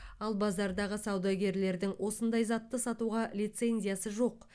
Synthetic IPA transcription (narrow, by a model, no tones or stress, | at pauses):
ɑlˠbɑzɑɾd̪ɑʁəsɑwd̪ɑɡʲe̞ɾle̞ɾd̪ɪŋwʔo̞sənd̪ɑjzɑt̪ːəsɑt̪uʁɑlijt̪se̞nzʲijasəʒo̞q